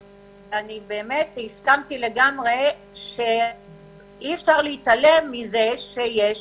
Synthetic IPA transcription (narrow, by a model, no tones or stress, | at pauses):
vanibe̞ːme̞thiskamt̪ile̞ɡamʁe | ʃe | iefʃaʁliit̪ale̞mːizeʃeje